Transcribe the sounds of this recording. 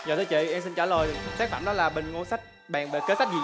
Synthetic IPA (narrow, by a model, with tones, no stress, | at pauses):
zəː˨˩t̪ʰːt͡ɕḭ˧˨ʔɛ˧msi˧nt͡ɕaː˧˩ləː˨˩jsaː˦˥k̚fa̰˧˩mɗɔ˨˦laː˨˩ɓë˨˩ŋ̟ŋo˧sa˦˥k̚ | ɓaː˨˩ŋɓeː˨˩ke˨˦˥sa˦˥jk̚zi˨˩